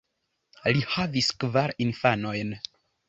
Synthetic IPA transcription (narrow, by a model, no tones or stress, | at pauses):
lihaviskvaɾinfano̞jn